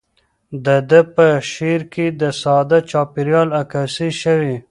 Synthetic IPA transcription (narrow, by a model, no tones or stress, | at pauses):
d̪əd̪əpəʃeɾked̪əsɑd̪at͡ʃɑpiɾjɑlakasiʃəwi